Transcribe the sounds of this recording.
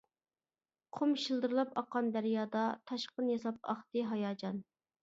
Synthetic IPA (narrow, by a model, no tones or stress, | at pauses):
qʰomʃilˠd̪ɨɾlˠɑpɑqʰːɑnd̪æɾjɑːd̪ɑt̪ʰɑʃqənjɑsɑp̚ɑ̰χt̪ɨɦɑjɑːd͡ʒɑn